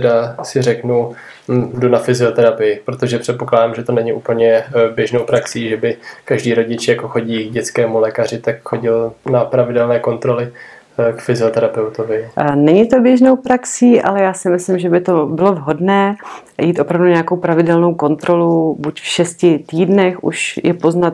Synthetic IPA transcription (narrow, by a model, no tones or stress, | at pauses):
ɛdasɪrɛknu | dunafɪzɪot̪ɛɾapɪjɪpɾot̪o̞ʒɛpr̝̥ɛt̪̚po̞klaːdamʒɛt̪onɛɲɪʔuːpl̩ɲɛbjɛʒnowpɾaksiːʒɛbɪkaʒdiːɾo̞ɟɪt͡ʃjako̞xo̞ɟiːɡɟɛt͡skɛːmulɛːkar̝ɪt̪akxo̞ɟɪlnapɾavɪdɛlnɛːko̞nt̪ɾo̞lɪ | kfɪzɪo̞t̪ɛɾapɛwt̪ovɪnɛɲɪt̪objɛʒno̞wpɾaksiːʔa̰lɛjaːsɪmɪslɪmʒɛbɪt̪o̞bɪlo̞vɦo̞dnɛː | jiːt̪ʔo̞pɾavduɲɛjako̞wpɾavɪdɛlnowko̞nt̪ɾo̞lubucfʃɛscɪt̪iːdnɛxʔṵʃjɛpo̞znat̪̚